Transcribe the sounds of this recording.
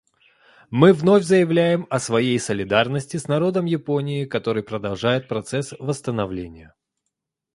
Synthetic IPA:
mɨvno̞fʲzəjɪvlʲæjɪmɐsvɐjejsəlʲɪd̪arnəsʲtʲɪsnɐɾo̞d̪əmjɪpo̞nʲɪjɪkɐt̪o̞ɾɨjpɾəd̪ɐlˠʐajɪt̪̚pɾɐt̪sɛsvəst̪ənɐvlʲenʲɪjə

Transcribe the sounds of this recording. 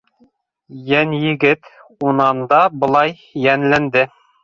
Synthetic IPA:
jænjɘ̆ɡɘt̪unɑnd̪ɑbŏlˠɑj | jænlænd̪ɘ

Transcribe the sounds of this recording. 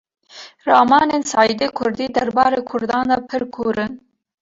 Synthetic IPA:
rɑːmɑːneːnsɑːid̪eːkʰʊɾd̪iːd̪æɾbɑːɾeːkʰʊɾd̪ɑːnd̪ɑpʰɨɾkʰuːɾɨn

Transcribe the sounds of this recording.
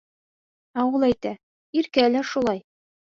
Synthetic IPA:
ɑwɤlˠæjt̪æ | iɾkælæʃulˠɑj

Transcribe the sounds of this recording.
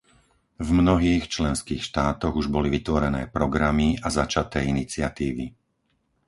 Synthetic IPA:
vmnɔɦiːxt͡ʃlɛnskiːxʃt̪aːt̪ɔɣuʒbɔliʋit̪ʋɔɾɛnɛ̰ːpɾɔɡɾamiazat͡ʃat̪ɛːinit͡sɪat̪iːʋi

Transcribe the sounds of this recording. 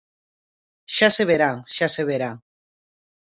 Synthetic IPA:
ʃaseβeɾaʃaseβeɾa

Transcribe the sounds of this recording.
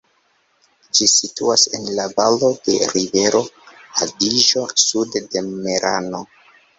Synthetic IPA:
d͡ʒisituase̞nlavalo̞de̞̰ɾive̞ɾo̞adiʒo̞sudde̞meɾa̰no

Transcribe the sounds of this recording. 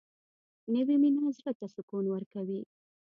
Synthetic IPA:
nəwiminɑzɾat̪asʊkunwəɾkawi

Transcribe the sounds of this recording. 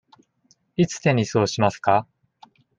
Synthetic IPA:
it͡sɨ̥t̪ẽ̞ɲʲiso̞ːɕimasɨ̥ka

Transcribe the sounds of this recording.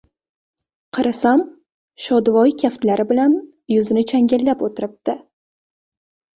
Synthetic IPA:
qʰɨɾasam | ʃɒd̪vɒjkʲʰaft̪laɾɪbɪlan | jʊzɪnɪt͡ʃʰaŋɡʲɪlːapot̪ʰɪɾɪp̚d̪̥ɪ

